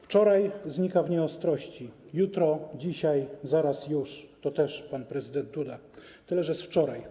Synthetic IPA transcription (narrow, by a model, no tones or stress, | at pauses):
ft͡ʂɔɾajzɲikavɲɛɔst̪ɾɔɕt͡ɕijut̪ɾɔd͡ʑiɕajzaɾasjuʂt̪ɔt̪ɛʂpanpɾɛzɘd̪ɛnt̪̚d̪ud̪a | t̪ɘlɛʐɛsft͡ʂɔɾaj